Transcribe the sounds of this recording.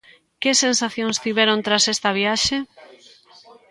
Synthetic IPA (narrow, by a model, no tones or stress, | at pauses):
kesensaθjoŋst̪iβɛɾont̪ɾasest̪ɐβiaʃe